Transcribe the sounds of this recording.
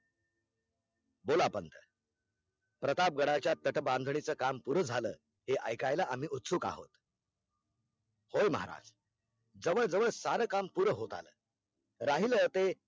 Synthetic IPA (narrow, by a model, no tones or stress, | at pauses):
bolapənt̪ə | pɾət̪ap̚ɡəɽat͡ɕjat̪ːəʈəbãnd̪ʱɳit͡səkampuɾəd͡zʱalə̰ː | ɦeʔəjkajlaam̤iːʔut̪suːka̰ɦo̰t̪ | hojməɦa̰ɾa̰d͡z | d͡zəʋəɭd͡zəʋəɭsaɾəːkampuɾəɦot̪a̰lə̰ː | ɾaɦilət̪e